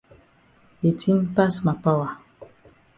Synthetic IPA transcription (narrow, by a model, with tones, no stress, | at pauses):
de˨tʰi˦npa˦sma˨pa˦wa˨